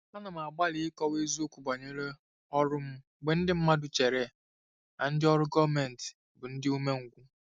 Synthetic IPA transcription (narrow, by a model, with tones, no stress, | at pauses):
na˦nʊ˨m̩˨a˨ɡ͡ba˦li˨˦ɪ˦kɔ˦we˦zu˦o˦kʷu˨ɡ͡ba˨ɲe˦ɾe˦ | ɔ˦ɾʊ˦m̩˦ | ɡ͡be˨n̩˦dɪ˦m̩˦ma˦dʊ˨t͡ʃe˨ɾe˦˨ | a˨n̩˦dɪ˦ɔ˦ɾʊ˦ɡɔ˦me˨n̩˨t | bʊ˨n̩˦dɪ˦u˦me˦ŋ̩˨ɡʷu˦